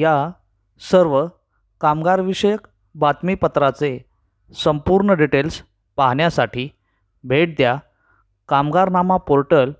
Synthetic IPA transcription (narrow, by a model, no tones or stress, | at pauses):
ja | səɾʋə | kamɡaɾʋiɕəjək | bat̪mipət̪ɾat͡se | səmpuɾɳəɖiʈels | paɦɳjasaʈʰiː | bʱeʈ̚d̪ja | kamɡaɾnamapoɾʈəl